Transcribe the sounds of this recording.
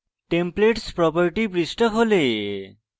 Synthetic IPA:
ʈempleʈspɾɔpɔɾʈipɾisʈɔkɦole

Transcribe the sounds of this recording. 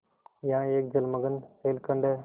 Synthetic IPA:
jãːeːk̚d͡ʒəlməɡənseːlkəɳɖe

